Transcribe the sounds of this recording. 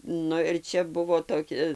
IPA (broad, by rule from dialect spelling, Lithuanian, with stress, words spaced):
ˈnʊ ɪr ˈt͡ʃʲɛ ˈbʊʋoː toːˈkʲɪ